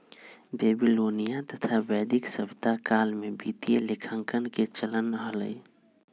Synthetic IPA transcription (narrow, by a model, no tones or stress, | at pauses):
beːbiloːnijat̪ət̪ʰabɛːd̪ɪksəbt̪akaːlmẽbiːt̪ijelɪkʰə̃ŋkənket͡ʃələnɦələ̰i